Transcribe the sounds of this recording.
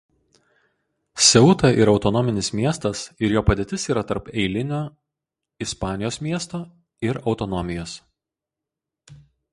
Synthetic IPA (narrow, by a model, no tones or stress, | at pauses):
sʲɛʊt̪ɐʔɪɾɒʊt̪ɔnɔmʲɪnʲɪsmʲiɛst̪ɐsɪɾjoːpɐd̪ʲeːt̪ʲɪsiːɾɐt̪ɐɾpɛɪlʲɪnʲoː | ɪspɑːnʲɪjoːsmʲiɛst̪oː | ɪɾɒʊt̪ɔnɔmʲɪjoːs